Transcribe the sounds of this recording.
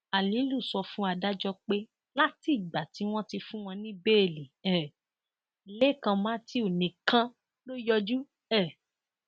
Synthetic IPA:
a˨lĩ˨˦lu˦˨sɔ˧fũ˦a˧da˦d͡ʒɔ˧k͡pe˦ | la˦ti˦˨ɡ͡ba˨ti˨˦w̃ɔ̃˦ti˧fũ˦w̃ɔ̃˧nĩ˦be˦e˦˨li˨ɛ˨ | le˦˨kã˧mãː˨˦ti˦o˨nĩ˨kã˧ | lo˦jɔ˧d͡ʒu˦ | ɛ˦˨

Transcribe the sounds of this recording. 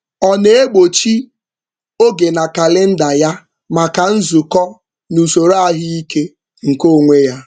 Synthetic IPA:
ɔ˨ne˨e˦ɡ͡bo˨t͡ʃi˦ | o˦ɡe˨na˨ka˨lɪ˦n̩˦da˨ja˦ | ma˨ka˨n̩˦zʊ˨kɔ˦ | nu˨so˨ɾo˦a˦ɦɪ˦i˦ke˦ | ŋ̩˨ko˦˨ŋʷe˦ja˦

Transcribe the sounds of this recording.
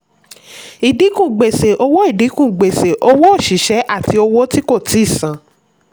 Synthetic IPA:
i˨di˨˦kũ˦˨ɡ͡be˨se˨ʔo˧wo˦i˦˨di˨˦kũ˦˨ɡ͡be˨se˨ʔo˧wo˦o˦˨ʃi˨˦ʃɛ˨˦ʔa˦˨ti˧o˧wo˦ti˦ko˦˨ti˨˦i˦˨sã˨

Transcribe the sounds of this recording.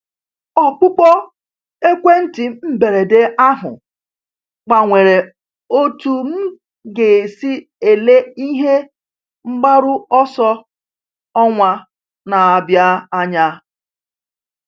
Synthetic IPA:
ɔ˦k͡pʊ˦pɔ˦ | e˦kʷe˦n̩˦ti˨m̩˦be˨ɾe˨de˦a˦ɦʊ̰˨ | k͡pa˨ŋʷe˨ɾe˨ | o˦tu˦m̩˦ | ɡe˨si˦ | e˨le˦i˦ɦe˦ | ŋ͡m̩˦ɡ͡ba˦ɾʊ˦ɔ˦sɔ˦ | ɔ˦ŋʷa˦ | na˨a˨bja˦a˦ɲa˦

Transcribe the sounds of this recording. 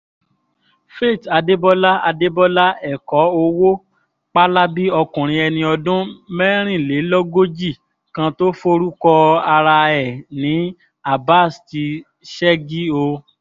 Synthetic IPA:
fe˦˨ta˧de˦bɔ˦la˦a˧de˦bɔ˦la˦ɛ˦˨kɔ˨˦o˧wo˦ | k͡pa˦la˦bi˦ɔ˧kũ˨ɾ̃ĩ˧ɛ˧nĩ˧ɔ˧dũ˦mɛ˦ɾ̃ĩ˦˨le˨˦lɔ˦ɡo˦d͡ʒi˦˨ | kã˧to˦fo˦˧ɾu˦kɔ˧a˧ɾa˧ɛ˨nĩ˨˦ | a˦˨ba˦˨sti˧ | ʃɛ˦ɡi˦o˧

